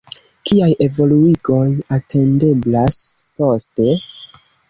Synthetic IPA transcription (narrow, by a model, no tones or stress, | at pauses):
kiaje̞vo̞luiɡo̞jatʰe̞nde̞blaspo̞ste̞